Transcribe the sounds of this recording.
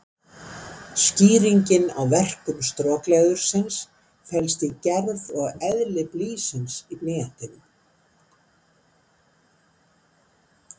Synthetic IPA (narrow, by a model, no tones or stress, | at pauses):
sciːɾiɲcɪna̰wvɛr̥kʏmst̪ɾɔːklɛːɣʏɾ̥sɪns | fɛlst̪icɛɾvɔɣɛðlɪpliːsɪnsiplɪːjan̥t̪ɪnʏm